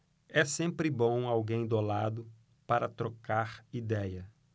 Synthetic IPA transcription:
ɛsẽmpɾɪbõw̃awɡẽj̃d̪olad̪ʊ | paɾɐt̪ɾokaɾid̪ɛjɐ

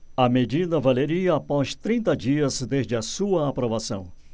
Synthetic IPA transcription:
ɐmed͡ʒid̪ɐvaleɾiɐːpɔst̪ɾĩnt̪ɐd͡ʒiɐzd̪ezd͡ʒɪɐsuɐapɾovasɐ̃w̃

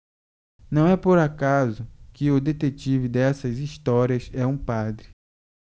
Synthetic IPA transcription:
nɐ̃w̃ɛpoɾakazʊkɪʊd̪et̪et͡ʃivɪd̪ɛsɐziʃt̪ɔɾiɐsɛũpad̪ɾɪ

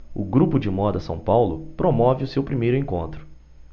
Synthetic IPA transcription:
ʊɡɾupʊd͡ʒɪmɔd̪ɐsɐ̰̃w̃pawlʊpɾomɔvɪʊsewpɾimejɾʊẽkõ̰nt̪ɾʊ̥

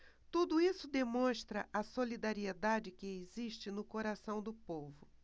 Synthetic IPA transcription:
t̪ud̪ʊisʊd̪emõʃt̪ɾɐʔɐsolid̪aɾied̪ad͡ʒɪkɪeziʃt͡ʃɪnʊkoɾasɐ̃w̃d̪ʊpovʊ

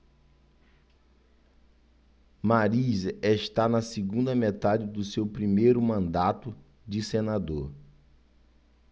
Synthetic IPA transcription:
maɾizeʃt̪anɐsiɡũd̪ɐmet̪ad͡ʒɪd̪ʊsewpɾimejɾʊmɐ̃nd̪at̪ʊ | d͡ʒɪsenad̪oɾ

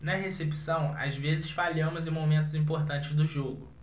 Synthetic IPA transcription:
nɐɦesepi̥sɐ̃w̃a̰zvezɪsfaʎɐ̃mʊzɪ̃momẽnt̪ʊzĩp̬oχt̪ɐ̃nt͡ʃɪzd̪ʊʒoɡʊ̰

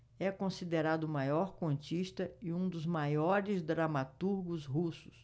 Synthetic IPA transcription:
ɛkõsid̪eɾad̪ʊmajɔɾkwõnt͡ʃiʃt̪ɐɪũd̪ʊzmajɔɾɪzd̪ɾamat̪uɾɡʊzɦusʊ̥s

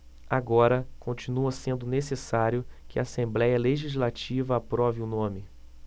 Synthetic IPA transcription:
aɡɔɾɐkʰõnt͡ʃinuɐsẽnd̪ʊnesesaɾjʊkɪaːsẽmblɛjɐleʒizlat͡ʃivɐapɾɔviʊnõmɪ

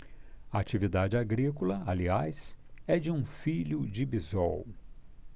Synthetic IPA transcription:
ɐat͡ʃivid̪ad͡ʒɪaɡɾikolɐaliajsɛd͡ʒɪũfiʎʊd͡ʒɪbizɔ̰w

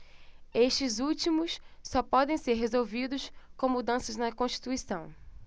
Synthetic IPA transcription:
eʃt͡ʃɪzuwt͡ʃimʊssɔpɔd̪ẽj̃seɾɦezowvid̪ʊʃkõmud̪ɐ̃sɐznɐkõʃt͡ʃi̥t̪uisɐ̃w̃

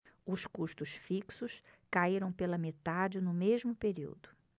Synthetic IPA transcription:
ʊskuʃt̪ʊsfiksʊskaiɾɐ̃w̃pelɐmet̪ad͡ʒɪnʊmeʒmʊpeɾḭwd̪ʊ

